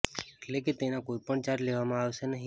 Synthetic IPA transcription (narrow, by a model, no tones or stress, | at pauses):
eʈleket̪enakoipəɳd͡ʒaɾleʋamãaʋʃenəɦi